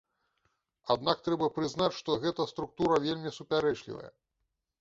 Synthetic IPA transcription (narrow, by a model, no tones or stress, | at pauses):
ad̪nak̚t̪ɾɛbɐpɾɨznat͡ɕʂt̪ɔɣɛt̪ɐst̪ɾuk̚t̪uɾɐvʲelʲmʲisupʲaɾɛt͡ʂlʲḭvɐ̰jɐ̰